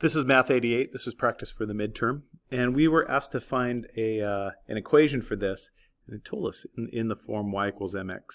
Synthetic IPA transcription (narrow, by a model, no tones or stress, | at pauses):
ðɪsɨzmæθeɪɾieɪt̪̚ðɪsɨz̥pʰɹ̥æk̚tɨstfə˞ðɨmɪd̚tʰɜ̃˞mɨ̃nwiwə˞ʔæ̰stʰɨfãɪ̃ndɨʔɨ̃ñɨkʰw̥eɪʒɨ̃n̩fə˞ðɪs | ɨ̃nɨtʰoʊlˠdʌsɪ̃nðəfɔɹmwaɪkəl̩ˠzɛ̃mɛ̰ks